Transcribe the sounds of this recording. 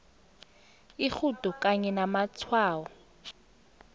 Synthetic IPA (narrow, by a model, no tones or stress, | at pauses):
ik͡xʰutʼɔkʼaɲɛnamat͡sʰwaːwɔ